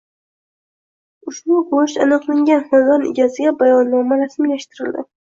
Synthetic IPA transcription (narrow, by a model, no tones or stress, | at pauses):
ʊʃbʊboʃanɨqlˠaŋɡʲanhazɒnɪ̰ɡʲazɪɡʲabajɒnːɒmaɾasmlaʃt̪ɪɾɪld̪ɪ̰